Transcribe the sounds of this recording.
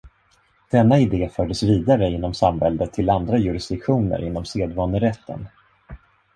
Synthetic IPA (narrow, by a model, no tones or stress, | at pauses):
d̪̥ɛnːaɪd̪eːfœːɖəsviːd̪aɾəɪnːɔmsamvɛld̪ət̪ʰːɪland̪ɾajɵɾɪsd̪̥ɪkɧuːnə̰ɾɪnːɔmseːd̪vɑːnəɾɛt̪ʰːə̰n